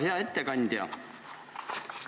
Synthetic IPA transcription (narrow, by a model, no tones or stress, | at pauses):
ɦeɑet̪ːekɑnʲd̪̥ʲjɑ̰